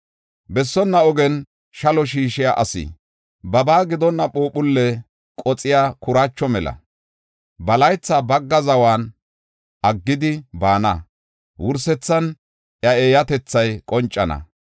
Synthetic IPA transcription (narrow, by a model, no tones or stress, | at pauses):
bɛsːɔnːɐɔɡɛn | ʃɐlɔʃ̬iːʃɪjaʔɐsɪ̰ | bɐbaːɡɪd̪ɔnːɐɓoːpʊlːɛ | kʼɔt͡sʼɪjaːkʊɾat͡ʃːɔmɛlɐ̰ | bɐlɐjt͡sːaːbɐɡːɐzɐwaːn | ʔɐɡːɪd̪ɪbaːnɐ | wʊɾsɛt͡sːɐn | ʔjɐeːjɐt̪ɛt͡sːɐjkʼɔnt͡ʃʼːɐnɐ̰